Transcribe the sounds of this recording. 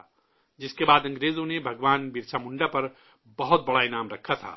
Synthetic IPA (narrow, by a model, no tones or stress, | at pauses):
d͡ziskebad̪ʌ̃ŋɡɾed͡zonebʱəɡwanbiɾt͡sʰamuɳɖapəɾ | bʌɦut̪̚bʌɽajnamɾəkʰːatʰa̰